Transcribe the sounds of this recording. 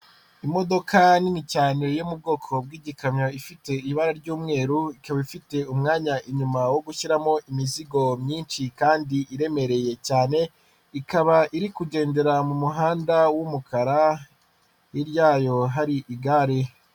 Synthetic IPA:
imo̞do̞kʰanimicaːniɾojomub̚ɡo̞ːkʰo̞bɡiːɟikamɲoifite̞iβaɾaɾɟuːmŋe̞ːɾuikaβaifite̞umŋaːɲaʔiɲumawo̞ɡuʃiɾamo̞ʔimiziɡo̞mɲiːnʃikaːndiʔiɾe̞me̞ɾe̞je̞caːne̞ | ikaβaʔiɾikuɟe̞ːnde̞ɾamumuɦaːndawumukʰaɾa | iɾjaːjo̞ɦaɾiʔiɡaːɾe

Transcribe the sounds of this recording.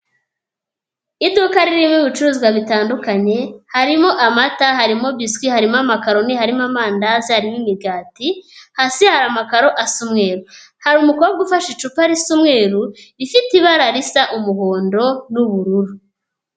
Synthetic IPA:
idukaɾiɾimŋiβit͡ʃuɾuzɡwaβitaːndukaɲe̞haɾimo̞ʔamatahaɾimo̞βiskwihaɾimoamakaɾo̞nihaɾimamaːndazihaɾimimiɡaːtihasihaɾamakaɾo̞ʔasumŋe̞ːɾu | haɾumukoβaɡufaʃit͡ʃupaɾisumŋeːɾuɾifitiβaɾaɾisaʔumuho̞ːndo̞nuβuɾuɾu

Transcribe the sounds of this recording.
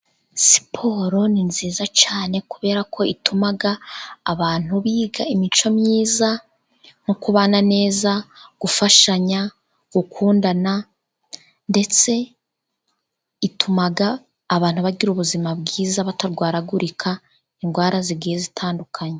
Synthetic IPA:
si̥pʰo̞ɾo̞ninziːzat͡ʃaːne̞kuβe̞ːɾakʰo̞itʰumaɡaːβaːn̥huβiːɡaimit͡ʃo̞mɲiːza | n̥ukuβaːnane̞ːzaɡ̥ufaʃaɲa | ɡ̥ukʰuːndana | nde̞t͡se̞ | itumaɡaː | βaːn̥huβaɡiɾuβuzimabɡiːzaβataɾɡwaːɾaɡuɾikʰa | iŋɡwaːɾaziɡiːjezitʰaːndukʰaɲe

